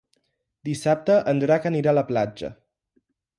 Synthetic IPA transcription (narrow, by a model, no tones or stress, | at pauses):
d̪isap̚t̪əʔənd̪ɾakəniɾaləplad͡ʒə̰